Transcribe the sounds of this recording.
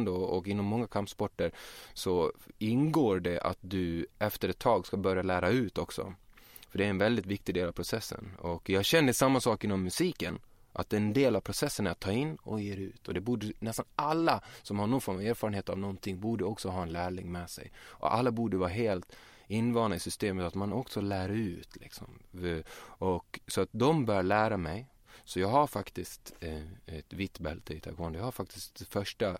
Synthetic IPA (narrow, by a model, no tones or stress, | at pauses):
nd̪oɔkɪnːɔmːɔŋːakʰampspɔʈːəɾsɔɪnɡoːɖɛʔa̰t̪̚d̪ɵɛft̪əɾɛt̪ʰːɑːɡskabœɾjalæːɾaʉ̟ːt̪ɔksɔ̰ | fœɖɛæɾɛnvɛld̪ɪt̪vɪk̚t̪ɪɡd̪eːlavpʰɾʊsɛsːə̰nɔkjɑːɡɕɛnːəd̪ɛsamːasɑːkɪnːɔmːɵsiːkən | ʔa̰t̪ɛnd̪eːlavpʰɾʊsɛsːənæɾat̪ʰːɑːɾɪnːɔ̰jeːɾʉ̟ːt̪ʰɔd̪ɛbuːɖənɛst̪analːasɔmhaɾɳɔnfɔɾmaveːɾfɑːɾənheːt̪avnɔnt̪ʰɪŋbuːɖəɔksɔɦɑːɛnlæːɭɪŋmɛsɛ̰jʔɔ̰ʔa̰lːabuːɖəvɑːɾaɦeːlt̪ | ɪnːvɑːnaɪsʏst̪eːmət̪at̪manɔksɔlæːɾaʉ̟ːt̪ʰlɪ̰ksɔ̰m | ɔksɔat̪̚d̪ɔmbœːɾɭæːɾamɛj | sɔjɑːɡɦaɾfakt̪ɪst̪ɛt̪vit̪ːbɛlt̪ʰəɪt̪ʰa̰kʰoːnjhaɾfak̚t̪ɪsk̚d̪ɛfœʂʈa